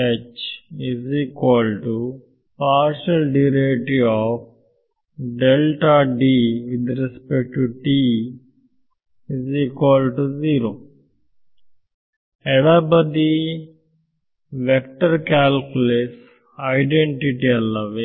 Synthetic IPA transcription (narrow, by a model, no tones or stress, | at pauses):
et͡ʃiziːkʋɔlʈu | paːɾʃɐlɖiɾeʈiɔːf | ɖelʈaɖiʋid̪ɾɛspek̚ʈuʈi | iziːkʋɔlɖʈuziːɾoː | ɛʋabɐd̪i | ʋek̚ʈɐɾkaːlkules | ɐɪɖeɳʈiʈiɐlːɐʋĩŋ